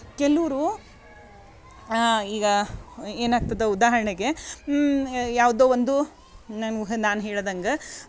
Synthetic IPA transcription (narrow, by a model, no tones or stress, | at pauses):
kɛluʋɾu | iːɡɐeːnaːɡ̚t̪ɐd̪eud̪aːɦɐɾɐɳeɡe̞ | jaːʋd̪oːʋond̪u | nanɦnaːnɦɛːɭod̪ɐŋɡɐ